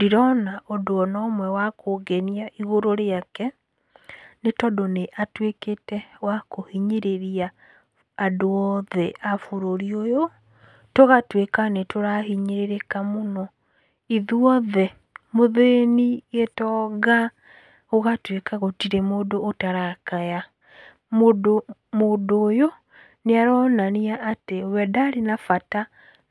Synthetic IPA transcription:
diɾɔnaʔɔdoɔnɔːmwɛwakoɡɛniaʔiɣoɾoɾeakɛ | netɔdoneʔatweketɛwakohiɲeɾeɾia | adoɔðɛʔafoɾoɾiojo | toɣatwekanetoɾahiɲeɾeɾekamonɔ | iðuɔðɛ | moðeniɣetɔːɣa | oɣatwekaɣotiɾɛmoːdoːtaɾakaja | modomodoːjo | neaɾɔnaniaʔːtewɛdaːɾenafata

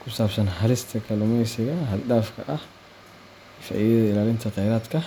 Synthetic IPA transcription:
kʰʊsaːbsɐnɦɐlɪst̪ʰɐkʰɐlʊmɛjsɪɣɐɦɐldaːfkʰɐʔɐh | fa̰ʕɪðɐðɐɪlaːlɪnt̪ʰɐqɛjɾaːd̪kʰɐ

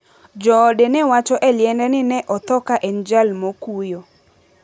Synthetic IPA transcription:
d͡ʒɔːdɛnɛwat͡ʃɔʔɛljɛndɛnɪnɛʔɔt̪ɔkaʔɛnd͡ʒalmokujo

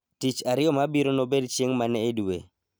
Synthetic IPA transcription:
tit͡ʃaɾɪjɔmabiɾonobedt͡ʃeŋmanɛːduwḛ

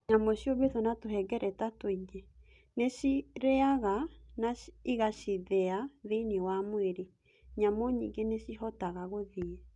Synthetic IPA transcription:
ɲamɔɕjoβeðɔnatoɦɛɡɛɾʔɛtatoid͡ʒe | neɕiɾɛaɣanaiɣaɕiðɛaðeinewamweɾe | ɲamɔɲḭŋɡeneɕiɦɔtaɣaɣoðiɛ

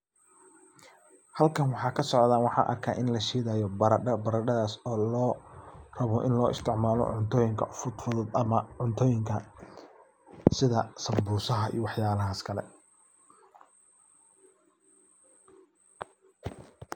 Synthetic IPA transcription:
hɐlkʰɐnwɑħɑːkʰɐsɔʕðaːnwɑħɑ̰ːʔɐ̰rkʰa̰ːʔɪnlɐʃiːðaːjɔbɐɾɐɖɐbɐɾɐɖɐðaːsɔːlɔːrɐβɔʔɪnlɔːɪ̰st̪ʰɪʕmaːlɔ̰ʕʊnt̪ʰɔːjɪŋkʰɐ̰fʊd̪fʊðɔːd̪ɐmɐʕʊnt̪ʰɔːjɪŋkʰɐ | sɪðɐsɐmbuːsɐɦɐḭjwɑħjaːlɐɦɐskʰɐlɛ̰

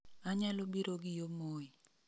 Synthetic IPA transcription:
aɲalobiɾoɡɪjomoi

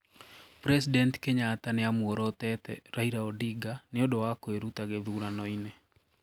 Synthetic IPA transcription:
pɾɛs̬idɛnti̥keɲataneamwɔɾɔtɛtɛ̰ɾaiɾaɔdiɡaneodowakoeɾutaɣɛðuːɾanɔinɛ

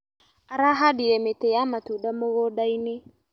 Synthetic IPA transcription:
aɾaɦadiɾɛmetejamatudamoɣodaine

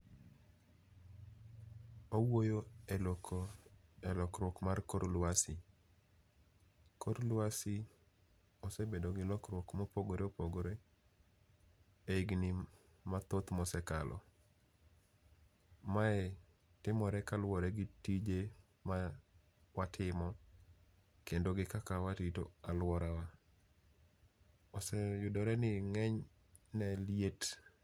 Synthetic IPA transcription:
owojoelokoɛlɔkɾwɔkmarkoɾlwasɪ | koɾlwasɪ | osebedoɡɪlɔkɾwɔkmopoɡoɾeopoɡoɾe | eiɡnɪ | mat̪ot̪mɔsɛkalʔɔ̰ | maɛ | tɪmɔɾɛkalwɔɾɛɡɪtid͡ʒe | ma | watʰɪmɔ | kendoɡɪkakawatitoalwɔɾawa | osɛjʊdɔɾɛnɪŋɛɲ | nɛliet

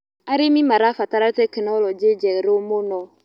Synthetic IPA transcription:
aɾimimaɾafataɾatɛkinalɔd͡ʒed͡ʒɛɾomonɔ

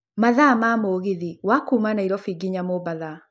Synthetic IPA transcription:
maðamamoɣeðiwakuːmanaiɾɔfiɡiɲamobaða

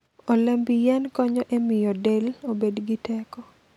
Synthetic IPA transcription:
ɔlɛmbijɛnkɔɲɔʔemɪjɔdelobedɡitɛkɔ

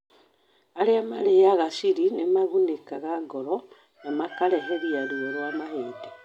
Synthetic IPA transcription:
aɾeamaɾeaɣasiɾinemaɣunekaɣaɡɔɾɔ | namakaɾɛɦɛɾiaɾuɛɾwamaheːta

